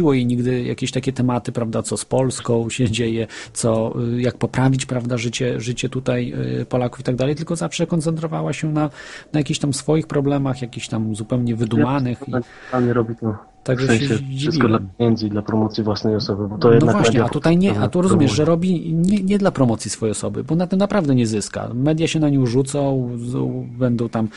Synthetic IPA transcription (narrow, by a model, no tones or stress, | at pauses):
iwɔjɛɲiɡd̪ɘja̰kʲeɕt̪akʲɛt̪ɛmat̪ɘpɾavd̪at̪sɔspɔlskɔ̃w̃ɕɛd͡ʑejɛt̪sɔjak̚pɔpɾavʲit͡ɕpɾavd̪aʐɘt͡ɕɛʐɘt͡ɕɛt̪ut̪aj̰pɔlaku̥fit̪aɡd̪alɛjt̪ɘlkɔzafʂɛkɔnt̪sɛnt̪ɾɔvawaɕɛnanajakʲiçɕt̪amsfɔjixpɾɔblɛmaxjakʲixɕt̪amzupɛwɲɛvɘd̪umanɘxa | t̪alɲɛɾɔbʲit̪ɔ | t̪aɡʐɛsɛ̃ɛɕɛd͡ʑiɘsvʲikɔd̪laɲɛnt̪zʲid̪lapɾɔmɔt̪sʲjivwasnɛjɔsɔbɘbɔt̪ɔjɛd̪vavwaʃɲɛat̪ut̪ajɲɛat̪uɾɔzumʲjɛʐʐɛɾɔbʲiɲɛɲɛd̪lapɾɔmɔt̪sʲjisfɔjɛjɔsɔbɘ̰bɔnat̪ɛmnapɾavd̪ɛɲɛzɘska̰mɛd̪ʲjaɕɛnaɲiwʐut̪sɔ̃w | bɛnd̪ɔ̃w̃t̪am